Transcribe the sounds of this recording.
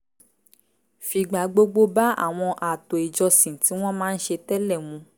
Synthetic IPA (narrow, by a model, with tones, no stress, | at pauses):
fi˧ɡ͡ba˨˦ɡ͡bo˦ɡ͡bo˦ba˦a̰˦˨w̃ɔ̃˧ʔa˨to˨i˨d͡ʒɔ˧sĩ˨ti˨˦w̃ɔ̃˦mãː˦n̩˦ʃe˧tɛ˦lɛ˦˨mũ˧˦